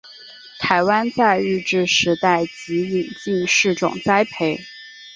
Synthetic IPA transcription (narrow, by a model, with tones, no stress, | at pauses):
t̪ʰa˧˥ɪwa˥nt͡sa˥˧ɪɻɻ̩˥˧ʈ͡ʂɻ̩˥˩ʂɻ̩˧˥t̪a˥˩ɪt͡ɕi˧˥li˨˩ŋt͡ɕi˥˧nʂɻ̩˥˩ʈ͡ʂʊ̰˨˩ŋt͡sa˥ɪpʰe˥ɪ